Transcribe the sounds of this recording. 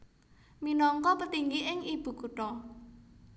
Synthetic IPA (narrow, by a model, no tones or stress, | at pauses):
minɔŋkɔpət̪iŋɡiʔɪŋib̥ṳkuʈ̪ɔ